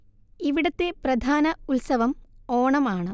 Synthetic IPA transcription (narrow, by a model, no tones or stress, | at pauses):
iʋiɽɐt̪ːe̞prɐd̪ʱaːnɐulsɐʋɐmoːɳɐmaːɳɨ